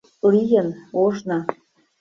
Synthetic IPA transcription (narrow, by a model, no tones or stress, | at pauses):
lijə̆noʒnɑ